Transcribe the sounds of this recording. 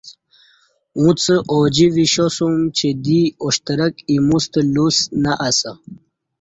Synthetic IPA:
ũt͡səʔod͡ʑiviɕosumt͡ɕed̪ioɕt̪əɾəkimust̪əlusnaʔasə

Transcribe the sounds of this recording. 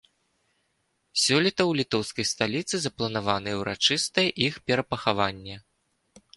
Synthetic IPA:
sʲɔlʲit̪ɐwlʲit̪ɔwskɐjst̪alʲit̪sɨzɐplˠɐnavanɨjɛwɾʔa̰t͡ʂɨst̪ɐjɛʔixpʲɛɾɐpɐxavanʲːɛ

